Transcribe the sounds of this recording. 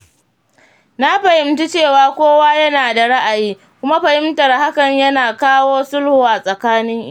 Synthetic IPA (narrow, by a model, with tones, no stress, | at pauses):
na˦ɸɐ˨hɪ˦mtu˦t͡ʃeː˦˨waː˨kʷoː˦waː˦jɐ˦naː˨da˨ɽa˦ʔa˨jiː˦ | kʷʊ˦ma˦ɸɐ˨hɪ˦mtɐ˨rha˦kɐ˨ɲjɐ˦naː˨kaː˦woː˦sʊ˦lhu˨ʔa˨sʼɐ˨kaː˦nɪ˦ŋʔ